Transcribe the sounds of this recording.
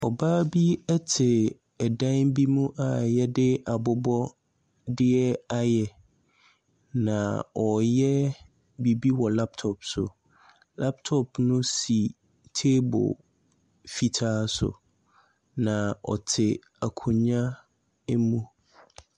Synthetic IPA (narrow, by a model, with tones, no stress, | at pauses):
ɔ˨baː˦bi˦ɛ˦tʰɪ˨ | ɛ˨dã˦nbi˦mũ˦ʔa˨jɛ˦dɪ˦a˨bʊ˦bɔ˦ | dɪ˦ɛ˦a˨jɛ˨ | nã˨ɔ˨jɛ˦ | bi˨bi˦wɔ˨la˦p̚tʰɔ˨psʊ̰˨ | la˦p̚tʰɔ˨pnʊ̃˦si˨ | tʰe˦bʊ̰˨ | fi˨tʰaː˦sʊ̰˨ | nã˨ɔ̰˨tʰɪ˨ | a˨kʰũ˨ɲã˦ | e˦mũ˦